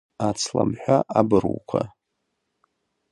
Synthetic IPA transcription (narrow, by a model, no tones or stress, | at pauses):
at͡sʰla̰mħʷᶣaʔabɨrwkʷʰa